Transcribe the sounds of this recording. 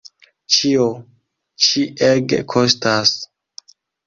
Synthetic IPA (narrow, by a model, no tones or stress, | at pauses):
t͡ʃio | t͡ʃiʔeɡ̰kʰostas